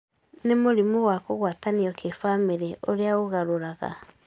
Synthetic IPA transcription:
nemoɾimowakoɣwataniɔkʰefameɾɛʔoɾeaɣoɣaɾoɾaɣa̰

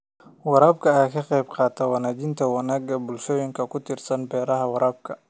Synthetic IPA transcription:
wɑɾaːb̚kʰɐjaːkʰɐqɛjbqɑːt̪ʰɐwɑnaːd͡ʒɪnt̪ʰɐwɑnaːɡɐbʊlʃɔːjɪŋkʰɐkʰʊt̪ʰɪrsɐnbɛːɾɐɦɐwɑɾaːb̚kʰɐ

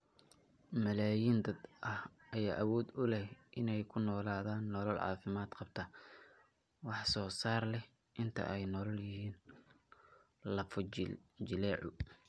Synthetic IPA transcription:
mɐlaːjind̪ɐd̪ʔɐhɐjaːʔɐwɔːd̪ʊlɛhʔɪnɛjkʰʊnɔːlaːðaːnːɔlɐlʕɑ̰ːfɪmaːd̪qɑb̚t̪ʰɐ | wɑħsɔːsaːrlɛh | ʔɪnt̪ʰɐ̰ʔɛjnɔlɐljɪhiːn | lɐfd͡ʒɪlɛːʕʊ

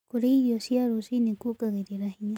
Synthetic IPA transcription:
kuɾeijosiaɾusinĩkukaɣeɾiɾahĩɲã

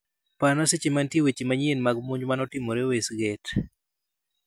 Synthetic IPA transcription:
panaset͡ʃimantiewet͡ʃimaɲenmaɡmuɲd͡ʒmanɔtɪmoɾewesɡet

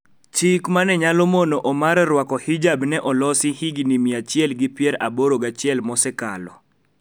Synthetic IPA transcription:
t͡ʃikmanɛɲalɔmonoʔɔmaɾɾwakɔhid͡ʒabnɛʔɔlɔsɪhiɡinimiat͡ʃɪɛlɡɪpjɛɾa̰boɾoɡat͡ʃɪɛlmɔsɛka̰lɔ̰

